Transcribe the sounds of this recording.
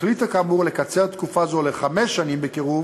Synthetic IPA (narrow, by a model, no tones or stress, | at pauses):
lit̪akamuʁlekat͡se̞ʁt̪kufazoleχameʃːanimbekiʁuv